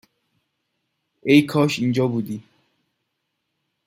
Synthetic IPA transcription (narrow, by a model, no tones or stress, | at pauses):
ejkʰɒʃind͡ʒɒːbud̪i